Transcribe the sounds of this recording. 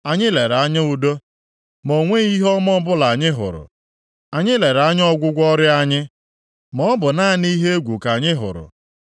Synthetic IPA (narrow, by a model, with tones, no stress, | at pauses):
a˨ɲɪ˦le˨ɾa˦ɲɪ˦u˨do˦ | mo˨ŋʷe˦i˦ɦɔ˦mɔ˦bʊ˦la˨ɲɪ˦ɦʊ̰˨ɾʊ̰˨ | a˨ɲɪ˦le˨ɾa˦ɲ˦ɔ˦ɡʷʊ˦ɡʷɔ˦ɾɪ˦a˦ɲɪ˦ | mɔ˦bʊ˨na˦˨ni˦ɦe˦e˦ɡʷu˨ka˨ɲɪ˦ɦʊ̰˨ɾʊ̰˨